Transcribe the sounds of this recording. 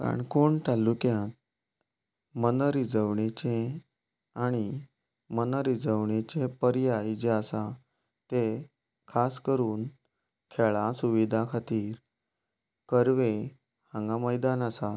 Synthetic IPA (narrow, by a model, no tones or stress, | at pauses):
ka̰ɳkoɳt̪alːukjãt̪ | mənəɾid͡zəʋɳet͡ɕẽ | aɽ̃i | mənəɾid͡zəʋɳet͡ɕepəɾjajd͡ʑeasa | t̪e | kʰaskəɾuːn | kʰeɭasuʋid̪ʱakʰat̪iːɾ | kəɾʋe | hãŋɡãməjd̪anasa